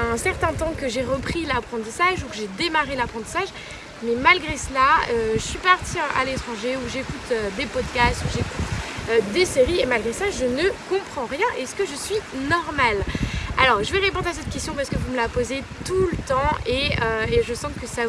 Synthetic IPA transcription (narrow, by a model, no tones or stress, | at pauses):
ɛ̃sɛʁt̪ɛ̃t̪ɑ̃kəʒeʁəpχilapχɑ̃t̪̬isaʒukəʒed̪emaʁelapχɑ̃t̪i̥saʒ | mɛmalɡʁesəlaøʒəsɥipaʁt̪ʰiʔa̰let̪χɑ̃ʒeuʒekut̪ød̪epɔd̪kʲast̪uʒeku̥t̪ød̪eseʁiemalɡʁesaʒənəkɔ̃pχɑ̃ʁjɛ̃ʔɛsə̥kəʒəsɥinɔʁmala̰lɔʁʒəvɛʁepɔ̃d̪ʁas̬ɛt̪̚kʲɛst̪jɔ̃paʁsəkəvuməlapozet̪ulət̪ɑ̃eøeʒəsɑ̃kəsa